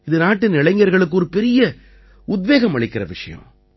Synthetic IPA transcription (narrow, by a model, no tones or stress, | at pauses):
ɪðɯnaːʈːɯnɪɭɐɪŋɡɐɾɣɐɭɯk̬ːɯɔɾɯpɛɾɪjɐ | ʊd̪ʋeːɣɐmɐɭɪkːɪɾɐ̰ʋɪʂɐjɐ̰̃